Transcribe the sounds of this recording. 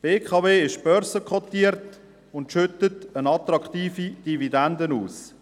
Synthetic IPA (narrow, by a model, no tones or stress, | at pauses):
b̥eːkχɑveːɪʃb̥œɾsəkχɔt̪iːəɾt | ʊntʃʏtətənɑt̪ɾɑkχtiːfid̥ividɛndənuːs